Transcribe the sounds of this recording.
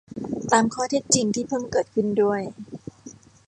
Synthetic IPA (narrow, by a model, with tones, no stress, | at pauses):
t̪aː˨˧mkʰɔː˥˩t̪ʰe˦˧˥t̪̚t͡ɕi˨˧ŋt̪ʰiː˥˩pʰɤː˥˩mkɤː˨˩t̪̚kʰɯ˥˩ndu˥˩əj